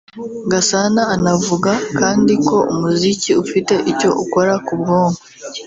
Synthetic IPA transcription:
ɡasanaːnavuɡakaːndiko̞ʔumuziciufite̞ʔico̞ʔuko̞ɾakub̚ɡo̞ːŋɡwe

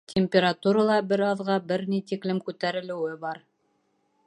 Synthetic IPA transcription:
t̪ʰʲemʲpʲeɾat̪uɾɑlˠɑbɘɾɑðʁɑbɘɾnit̪iklɘmkʉt̪æɾɘ̆lɘ̆wɘbɑɾ

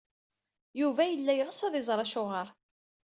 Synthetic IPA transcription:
juvæjəlːæjʁəsæðɪzˤɾˤɑʃʊʁəɾˤ

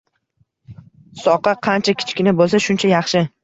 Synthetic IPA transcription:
sɒqɑqʰɑnt͡ʃʰakʲʰɪ̥t͡ʃkʲɪnɪbolˠsaʃʊnt͡ʃʰajɑχʃɪ

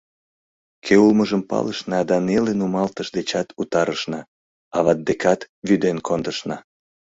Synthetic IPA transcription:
kʰeulməʒəmpɑ̰ləʃnɑd̪ɑnelenumɑlt̪əʃd̪et͡ɕɑt̪ut̪ɑɾəʃnɑ | ɑβɑt̪̚d̪ekɑt̪ | βyd̪enkʰond̪əʃnɑ

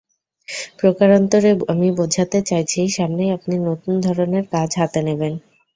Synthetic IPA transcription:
pɾokaɾɔnt̪oɾeamibod͡ʑʱat̪et͡ɕajt͡ɕʰiʃamnejapninot̪und̪ʱɔɾoneɾkad͡ʑʱɦat̪eneben

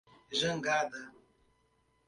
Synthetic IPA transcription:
ʒəŋ̩ɡad̪a

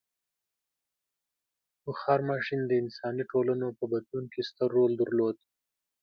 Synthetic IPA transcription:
bʊxɑɾmɑʃind̪əɪnsɑniʈolanopəbad̪lunkest̪əɾːold̪əɾlod̪

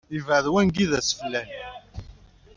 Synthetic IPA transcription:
ivʕðwænɡiðæsə̥flːæn

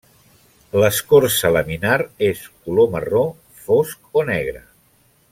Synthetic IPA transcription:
ləskoɾsələminaɾeskuloməro | fosk̚onɛɣ̞ɾə

